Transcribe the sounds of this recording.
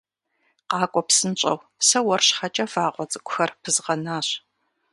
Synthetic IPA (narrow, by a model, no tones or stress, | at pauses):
qɑːkʷʼɔpsɨnt͡ʃʼɐ̰w | sɐwɐrɕχɐt͡ʃʼɐfaːqʷʼɔt͡sʼɨkʷʼʊxɐrpʰɨzʁɐnaːɕ